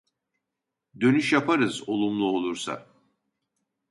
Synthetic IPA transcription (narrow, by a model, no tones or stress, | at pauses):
d̪ø̞nyʃjapʰaɾɯzo̞lˠumlˠuo̞lˠuɾsa̰